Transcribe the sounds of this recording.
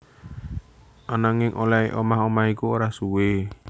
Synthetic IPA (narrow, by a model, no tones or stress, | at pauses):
ʔanaŋɪŋʔolaeʔomaɦomahikuoɾasuwe